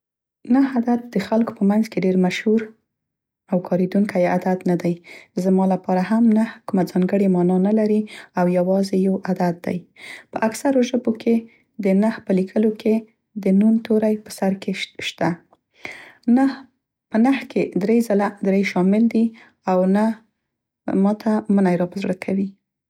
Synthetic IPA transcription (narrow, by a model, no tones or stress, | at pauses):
naɦad̪at̪̚d̪əxalko̥pəmanzkeɖeɾmaʃhuɾ | awkʰɑɾed̪uŋkajead̪ad̪nad̪ajzmɑlapɑɾaɦamnahkumad͡zɑŋɡəɽemɑnɑnalaɾiawjawɑzejawad̪at̪̚d̪a̰jpəʔaksaɾoʒəbokʰe | d̪ənahpəlikʰəlokʰe | d̪ənunt̪ʰoɾajpə̥saɾkeʃt̪a | pənahkʰed̪ɾezalad̪ɾejʃɑmɪld̪i | awna | mɑt̪ʰamənajɾɑpazɽəkʰawi